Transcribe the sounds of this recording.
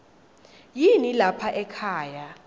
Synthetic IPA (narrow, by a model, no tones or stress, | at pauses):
jinilapʰaʔɛkʰaːja